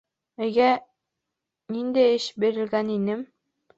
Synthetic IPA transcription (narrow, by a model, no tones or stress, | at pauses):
ɘ̆ɡæ | nind̪ɘɘʃbiɾɘ̆lɡæninɘm